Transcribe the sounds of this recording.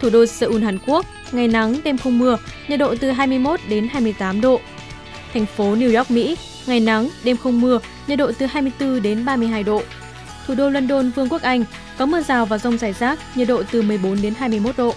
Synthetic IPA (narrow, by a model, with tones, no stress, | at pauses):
t̪ʰu˧˩ɗo˧səː˧ʔu˧˩nɦaː˨˩ŋku˦˥ək̚ | ŋa˨˩jna˨˦ŋɗe˧mxə˧wŋ͡mmɨ˧əɲə̰˨˩ɗo̰˧˨t̪ɨ˨˩ɦaː˧jmɨ˧əjmo˦˥t̚ɗe˨˦nɦaː˧jmɨ˧əjt̪aː˨˦mɗo̰˧˨ | t̪ʰa˨˩jŋ̟fo˨˦ni˧wjɔ˦˥k̚mḭ˧˥ | ŋa˨˩jna˨˦ŋɗe˧mxə˧wŋ͡mmɨ˧ə | ɲə̰˨˩ɗo̰˧˨t̪ɨ˨˩ɦaː˧jmɨ˧əjt̪ɨ˧ɗe˨˦nɓaː˧mɨ˧əɦaː˧jɗo̰˧˨ | t̪ʰu˧˩ɗo˧lwə˧nɗo˧nvɨ˧əŋku˦˥əkʔa˧jŋ̟ | kɔ˨˦mɨ˧əzaː˨˩wvaː˨˩zə˧wŋ͡mzaː˧˩jzaː˦˥k̚ɲə˨˩ɗo̰˧˨t̪ɨ˨˩mɨ˨˩əjɓo˨˦nɗe˨˦nɦaː˧jmɨ˧əjmo˦˥t̚ɗo̰˧˨